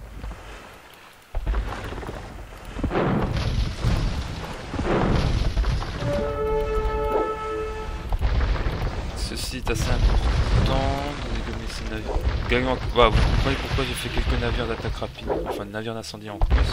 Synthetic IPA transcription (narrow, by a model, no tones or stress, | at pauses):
səsiɛt̪aseɛ̃pɔʁt̪ɑ̃d̪ɑ̃led̪ɔmisinaviʁɡaɲmɑ̃vaavukɔ̃pʰχənepuʁkwaʒefɛkʲɛlkənaviʁd̪at̪akʁapid̪ɑ̃fɛ̃naviʁd̪ɛ̃sɑ̃d̪iɑ̃kys